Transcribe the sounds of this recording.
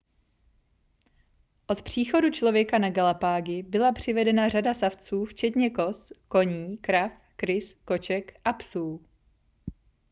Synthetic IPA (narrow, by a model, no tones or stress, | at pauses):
ʔo̞t̪pr̝̥iːxo̞dut͡ʃlo̞vjɛkanaɡalapaːɡɪbɪlapr̝̥ɪvɛdɛnar̝adasaft͡suːft͡ʃɛt̪ɲɛko̞sko̞ɲiːkɾaf | kɾɪsko̞t͡ʃɛkʔapsuː